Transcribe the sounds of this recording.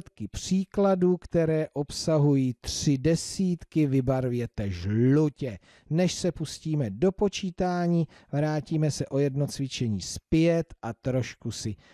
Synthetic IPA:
t̪kɪpr̝̥iːkladuːkt̪ɛɾɛːʔo̞psaɦujiːt̪r̥ɪdɛsiːt̪kɪvɪbaɾvjɛt̪ɛʒlucɛ | nɛʃsɛpusciːmɛdo̞po̞t͡ʃiːt̪aːɲiː | vɾaːciːmɛsɛʔo̞jɛdnot͡svɪt͡ʃɛɲiːspjɛt̪ʔat̪ɾo̞ʃkusɪ

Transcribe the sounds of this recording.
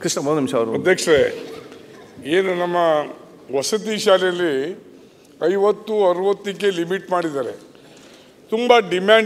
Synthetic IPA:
kɾiʂnɐbod̪ɐnimʃɐːʋɾuɐd̪ʱjɐkʂɐɾe | eːnunɐmːɐ | ʋɐsɐt̪̬iʃaːlɛjɐlːi | ɐjʋɐt̪ːuɐɾuʋɐt̪ːikːelimiʈmaːɽid̪aːɾe | t̪umbɐɖimaːɳ

